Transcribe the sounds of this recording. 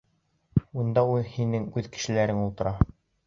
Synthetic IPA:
und̪ɑulˠhinɘŋʉðkɘ̥̆ʃɘ̆læɾɘŋulˠt̪ɤ̆ɾɑ

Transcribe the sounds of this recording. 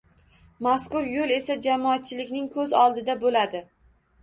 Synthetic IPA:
maskʊɾjolˠe̞sad͡ʒamɒat̪̚t͡ʃʰɪlɪkʲnɪŋkʰɵzɒlˠd̪ɪd̪abolad̪ɪ

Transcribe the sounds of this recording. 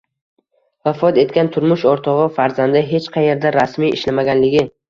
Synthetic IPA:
vafɒt̪e̞t̪̚kʲant̪ʰʊɾmʊʃɒɾt̪ʰɒʁɨfaɾzand̪ɪɦe̞t͡ʃqʰɑje̞ɾd̪aɾasmijɪ̰ʃlamaɡʲanlɪɡʲɪ

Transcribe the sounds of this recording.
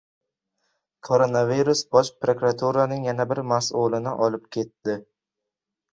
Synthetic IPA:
kʰo̞ɾonaviɾusbɒʃpɾokɾat̪ʰuɾanɪŋjanabɪɾmasulɪnɪʔɒlɪp̚kʲʰe̞t̪ːɪ

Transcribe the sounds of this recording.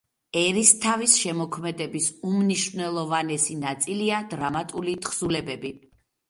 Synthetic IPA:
ɛɾist̪ʰavisʃɛmɔkʰmɛd̪ɛbisumniʃvnɛlˠɔvanɛsinat̪sʼiliad̪ɾamat̪ʼulit̪χsulɛbɛbi

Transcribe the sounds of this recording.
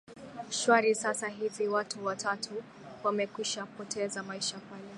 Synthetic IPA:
ʃwaɾisasaɦiviwatʰuwatʰatʰu | wamɛkwiʃapɔtʰɛzamaiʃapalɛ

